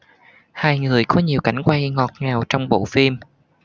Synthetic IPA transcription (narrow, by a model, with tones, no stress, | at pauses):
haː˧jŋɨ˨˩əjkɔ˨˦ɲi˨˩əwka̰˨˧˩jŋ̟kwa˧jŋɔ˨˩t̚ŋaː˨˩wt͡ɕɔ˧wŋ͡mɓo̰˧˨fi˧m